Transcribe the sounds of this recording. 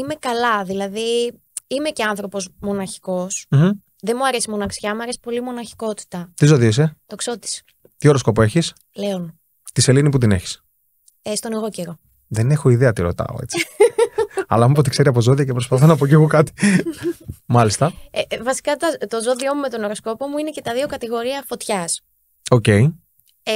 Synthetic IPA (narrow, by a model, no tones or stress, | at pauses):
ime̞kɐlɐðilɐði | ime̞ceɐnθɾo̞po̞smo̞nɐçi̥ko̞sm̩m̩ | ðe̞muɐɾe̞simo̞nɐksçɐmuɐɾe̞si̥po̞limo̞nɐçi̥ko̞t̪i̥t̪ɐt̪izoðiis̬et̪oksot̪i̥s | t̪ioɾo̞skopoe̞çis | le̞on | t̪iselinip̬ut̪ine̞çi̥s | est̪o̞neɣo̞ceɾo̞ | ðene̞xoiðeɐt̪iɾo̞̰t̪ɐ̰o̰e̞̰t͡si̥ | ɐ̰lɐɐmopot̪ikse̞ɾiɐpo̞zo̞ðiɐcepɾospɐθonɐpoceɣokɐt̪i̥ | mɐlist̪ɐevɐsi̥kɐt̪ɐt̪o̞zo̞ðio̞mume̞t̪o̞no̞ɾo̞sko̞pomuinece̞t̪ɐðiokɐt̪iɣo̞ɾiɐfo̞t̪çɐs | oce̞i